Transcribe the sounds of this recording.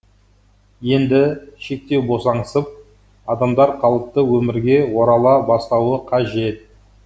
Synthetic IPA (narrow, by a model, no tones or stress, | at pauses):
je̞nd̪ɪʃe̞k̚t̪e̞wbo̞sɑɴəsəp̚ | ɑd̪ɑmd̪ɑɾqʰɑlˠəp̚t̪əwɵmɪɾɡʲe̞wo̞ɾɑlˠɑbɑst̪ɑwəqʰɑʒe̞t̪̚